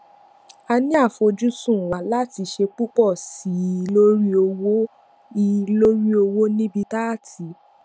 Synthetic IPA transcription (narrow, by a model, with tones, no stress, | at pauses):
a˧nĩ˦a˦˨fo˧d͡ʒu˦sũ˦˨wa˨˦la˦ti˧ʃe˧k͡pu˦k͡pɔ˦˨si˨˦˧lo˦ɾi˦o˧wo˦ | i˧lo˦ɾi˦o˧wo˦nĩ˦bi˧ta˦˨tʰi˨˦